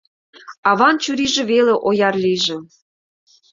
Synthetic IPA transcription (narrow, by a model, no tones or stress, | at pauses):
ɑβɑnt͡ɕyɾiʒĕβeleʔojɑrliʒĕ